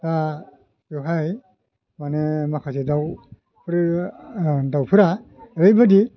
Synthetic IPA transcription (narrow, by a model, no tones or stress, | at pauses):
ta | juɦaj | manɛmakʰazɛdaw | pʰɾ | dawpʰɯɾaeɾejbadi